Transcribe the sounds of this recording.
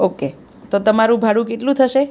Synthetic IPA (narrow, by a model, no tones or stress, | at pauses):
oke | t̪ot̪əmaɾũbʱaɽũkeʈlũt̪ʰəʃe